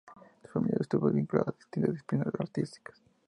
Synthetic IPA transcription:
d̪u̥sfamilja̰ɾest̪uβɐliŋkula̰ðaðist̪int̪ɐzðisplinazaɾt̪ist̪i̥kɐ̥s

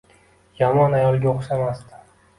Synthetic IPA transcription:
jamɒnajɒlˠɡʲaoqsamast̪ɪ

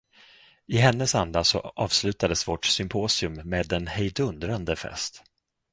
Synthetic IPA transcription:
ɪɦɛnːəsand̪asɔ̰ʔɑːvslʉ̟ːt̪ad̪əsvɔʈsʏmpʰoːsɪɵmːeːd̪ɛnhɛjd̪ɵnd̪ɾand̪əfɛ̰st̪

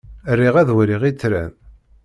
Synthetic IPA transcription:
ərːiʁæðwɾiʁit͡sːɾæ̰n

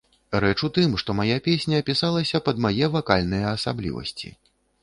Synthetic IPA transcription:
ɾɛt͡ʂut̪ɨmʂt̪ɔmajapʲesʲnʲɐːpʲisalˠɐsʲɐpɐd̪majɛvakalʲnɨjɐːsablʲḭvɐ̰sʲt͡sʲḭ

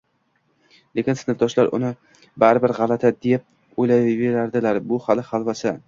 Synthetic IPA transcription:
le̞kʲɪnsɪnɪfd̪ɒʃlaɾʔʊ̰nɪ | baɾɪbɪɾʁɑlat̪ʰad̪ep̚ | ojlajveɾaɾd̪ɪlaɾbʊhalɪhalˠvasɪ

